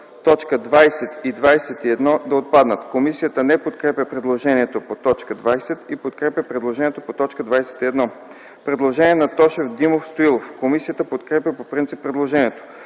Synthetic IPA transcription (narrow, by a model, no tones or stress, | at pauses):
t̪ɔt͡ʃkəd̪vajsɛt̪id̪vajsɛt̪iɛd̪nɔd̪ɐot̪̚pad̪nət̪komisijət̪ənɛpot̪kɾɛpʲjɐpɾɛd̪lˠoʒɛniɛt̪opot̪ɔt͡ʃkəd̪vajsɛt̪ipot̪kɾɛpjɐpɾɛd̪lˠoʒɛniɛt̪opot̪ɔt͡ʃkəd̪vajsɛ̥t̪iɛd̪nɔ | pɾɛd̪lˠoʒɛniɛnɐt̪ɔʃɛvd̪imofst̪oilˠofkomisijət̪əpot̪kɾɛpʲjɐpopɾint̪sipːɾɛd̪lˠoʒɛniɛt̪o̥